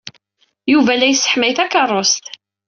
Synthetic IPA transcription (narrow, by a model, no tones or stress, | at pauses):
juvælæjsːə̥ħmæjθækɑrˤːost̪